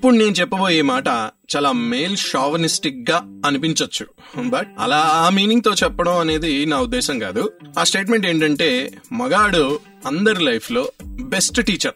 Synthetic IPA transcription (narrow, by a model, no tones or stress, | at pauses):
ɐpːuɽune̞ːnut͡ʃɛpːɐbo̞ːjeːmaːʈɐt͡ʃaːlaːmejlʃaːʋɐnisʈik̚ɡaːɐnipiɲt͡ʃɐt͡ʃːu̥ | bɐɐ̰laːaːmiːniŋɡ̚t̪o̞ːt͡ʃɛpːɐɽɐmɐne̞ːd̪inaːud̪ːɛːʃɐŋka̰ːd̪uaːsʈe̞ːʈme̞ɳʈe̞ːɳʈɐɳʈe̞ːmɐɡaːɽu | ɐnd̪ɐɾilɐjpʰlo̞ːbe̞sʈʈiːt͡ʃɐɾ